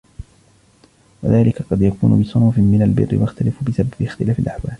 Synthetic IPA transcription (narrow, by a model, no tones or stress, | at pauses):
wa̰ðaːlɪkaqɑd̪jakuːnʊ̰bɪsˤʊnuːfmɪnalbɪ̰rːɪ̰waxt̪alɪfbɪsabbɪxt̪ɪlaːfɪlʔaħwaːl